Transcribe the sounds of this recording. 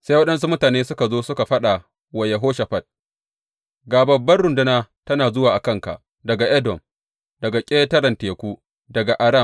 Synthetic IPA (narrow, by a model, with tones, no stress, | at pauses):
sa˦jwɐ˦ɗɐ˦ns̬u˦mʊ˦taː˨neː˦sʊ˦ka˨zoː˦sʊ˦ka˨ɸɐ˦ɗa˨ | wɐ˨je˨ɦoː˦ʃa˨ɸɐ˦t̚ | ɡaː˨bɐ˨bːɐ˦rɽʊ˨ndʊ˦naː˦tɐ˦naː˨zʊ˦waː˨ʔa˨kɐ˦˨ŋka̰˨ʔ | dɐ˨ɡa˨ʔɐ˦dɔ˨m | dɐ˨ɡa˨kʲʼeː˦tɐ˦ɾɐ˨nteː˨kʷuː˦ | dɐ˨ɡa˨ʔa˨ɾɐ˦˨m